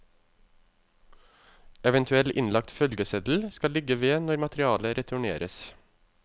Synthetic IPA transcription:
ɛʋənt̪ʰʉɛlʔɪnlɑk̚t̪fœlɡəsɛd̪l̩skɑlɪɡəʋeːnɔɾmɑt̪ɾɪɑːləɾʔɛt̪ʰʊɳḛːɾəs

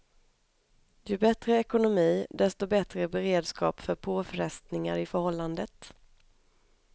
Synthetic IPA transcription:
jɵbɛt̪ɾəɛkʊnʊmiːd̪ɛst̪ɔbɛt̪ɾəbɛɾeːd̪skɑ̰ːpfœɾpʰoːfɾɛst̪nɪŋa̰ɾɪfœɾhɔlːand̪ət̪

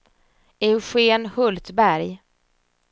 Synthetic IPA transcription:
ɛɧeːnhɵlt̪bæɾj

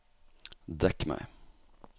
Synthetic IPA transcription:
d̪ɛkmɛ̰ɪ

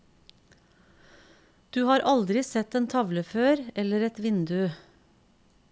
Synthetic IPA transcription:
d̪̥ʉːhɑːɾʔɑld̪ɾɪsɛt̪eːnt̪ʰɑʋləføːɾɛləɾɛt̪ʋɪnd̪ʉ

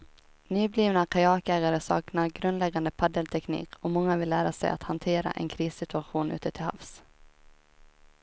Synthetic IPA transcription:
nyːbliːvnakʰajɑːkæːɡaɾəsɑ̰ːknaɾɡɾɵnd̪lɛɡand̪əpʰad̪əlt̪ʰɛknḭːkʰɔmɔŋːavɪlːæːɾasɛ̰ja̰t̪hant̪ʰeːɾa̰ʔɛ̰nkʰɾiːsɪt̪ɵaɧuːnʉ̟ːt̪ət̪ʰɪlha̰fs

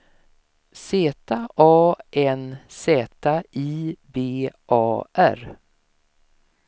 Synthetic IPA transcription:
seːt̪ʰaʔɑːʔɛnseːt̪aiːbeːʔɑːʔæɾ

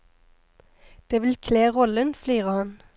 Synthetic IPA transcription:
d̪̥eːʋɪlkʰleːʁɔlənflyːʁəhɑn

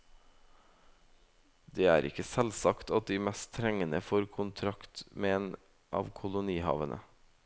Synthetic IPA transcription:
d̪eːæːɾɪ̰kəsɛlsɑkt̪ɑt̪̚d̪iːmɛst̪t̪ʰɾɛŋənəfoːɾkʰʊnt̪ʰɾɑkt̪meːeːn | ʔɑ̰ːʋkʰʊlʊniːhɑ̰ːʋənʔə̰

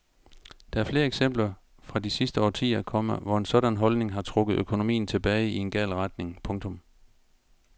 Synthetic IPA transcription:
d̥ɑæɐfle̝ːɐeɡ̥sem̰b̥lɐ | fʁɑ̈disisd̥əɒ̰ːt͡sʰḭːɐkʰɒ̽m̰əʋɒe̝nsɒ̽ɾ̥ænɦɒ̽lne̝ŋɦɑ̈t͡sʰʁɔ̽ɡ̥ð̩ˠøkʰo̝no̝mḭːn̩t͡sʰe̝b̥ɛːɪie̝nɡ̥ɛ̰ːlʁad̥ne̝ŋpʰɔ̽ŋt͡sʰɔ̽m

